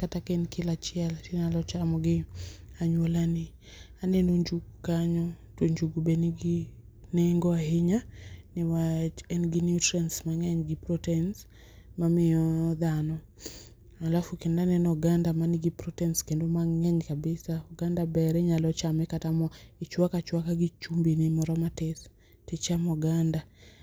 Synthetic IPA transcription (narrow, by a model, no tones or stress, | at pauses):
katakenkʰɪlat͡ʃɪɛltiɲalɔt͡ʃamɔɡɪaɲwolanɪ | anɛnoɲd͡ʒuɡkaɲɔtoɲd͡ʒuɡubenɡ | neŋɡɔaɦɪɲanɪwat͡ʃɛnɡinjutɾansmaŋɛɲɡɪpɾɔtɛns | mamɪɔd̪anɔ | alafukendanɛnɔɡandamanɪɡipɾɔtɛnskendomaŋɛɲkabɪsaɔɡandabɛɾɛɲalɔt͡ʃamɛkatamɔit͡ʃwakat͡ʃwakaɡit͡ʃumbinɪmɔɾɔmatɛθ | tɪt͡ʃamɔɡanda